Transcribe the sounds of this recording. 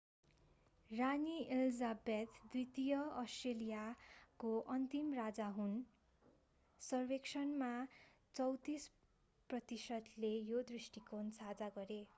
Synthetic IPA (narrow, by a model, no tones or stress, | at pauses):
ranielizabet̪d̪uijt̪ijʌʌsʈrelijakoʔʌnt̪imrad͡zaɦun | sʌrbeksʌnma | t͡sʌwt̪is | prʌt̪isʌd̪lejod̪risʈikonsad͡zaɡʌɾe